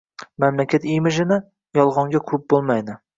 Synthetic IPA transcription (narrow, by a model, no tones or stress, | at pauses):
mamlakʲʰat̪imɪʒɪnɪ | jɒlˠʁɒŋɡʲakʲʰɵp̚bolˠmajd̪ɪ